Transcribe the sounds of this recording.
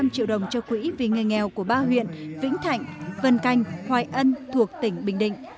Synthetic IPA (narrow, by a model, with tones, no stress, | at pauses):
a˧mt͡ɕḭ˧˨wɗə˨˩wŋ͡mt͡ɕɔ˧kwḭ˧˥vi˨˩ŋɨ˨˩əjŋɛ˨˩wku˧˩əɓaː˧ɦwḭ˧˨ənvḭ˧˥ŋ̟t̪ʰa̰˧˨jŋ̟və˨˩nka˨˩jŋ̟hwaː˨˩jʔə˧nt̪ʰu˨˩ək̚t̪ï˧˩ŋ̟ɓï˨˩ŋ̟ɗḭ̈˧˨ŋ̟